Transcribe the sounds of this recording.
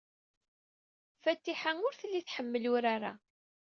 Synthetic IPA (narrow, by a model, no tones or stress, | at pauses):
fæt̪ːiħanʊɾθəlːiθħəmːəlʊɾaɾa̰